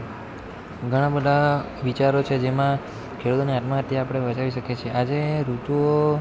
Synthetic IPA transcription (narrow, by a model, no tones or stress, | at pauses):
ɡʱəɽ̃ãbəd̪ʱa | ʋit͡ʃaɾot͡ʃʰed͡ʒemã | kʰeɽut̪oniat̪mãɦət̪jaːpəɽ̃ebət͡ʃaʋiʃəket͡ʃʰeʔad͡ʒeɾut̪uo